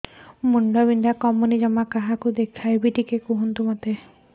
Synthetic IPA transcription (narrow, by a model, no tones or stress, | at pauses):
muɳɖɔbindakɔmunid͡ʒɔmakaɦakud̪ekʰt̪ʰajbiʈikekuɦunt̪umat̪e